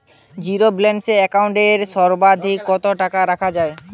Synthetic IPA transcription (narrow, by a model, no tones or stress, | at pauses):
d͡ʑiɾoblenɖseɛkawɳʈeɾʃɔɾbad̪ʱikːɔt̪oʈakaɾakʰad͡ʑae